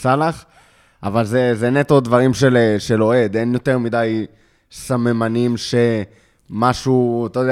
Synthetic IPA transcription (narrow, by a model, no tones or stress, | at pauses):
salaχ | avalzezenet̪odvaʁimʃeleʃe̞lo̞e̞d̪e̞njo̞t̪e̞ʁmid̪aj | samemanimʃe̞ | maʃuat̪ajod̪e